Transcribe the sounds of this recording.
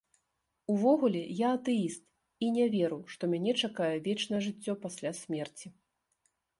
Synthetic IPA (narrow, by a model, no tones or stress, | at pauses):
uvɔɣulʲɛjaɐt̪ɛist̪̚ | inʲɛvʲɛɾɨwʂt̪ɔmʲanʲɛt͡ʂakajɛvʲɛt͡ʂnɐjɛʐɨt͡sʲːɔpasʲlʲasʲmʲɛrt͡sʲi